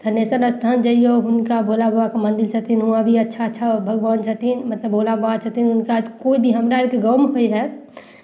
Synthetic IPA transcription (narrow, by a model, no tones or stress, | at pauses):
d̪̥ʱəɾnesəɾəst̪ʰand͡ʒəioɦʊnkabolaboakemə̃nd̪ɪlt͡ʃʰət̪iinɦuãbʱiətːʃʰatːʃʰabʱəɡʋaːnt͡ʃʰət̪inmət̪ləbːoːlabat͡ʃʰət̪inʊnkakoːibʱiɦəmɾaeɾkeɡəːmɦoeɦɛ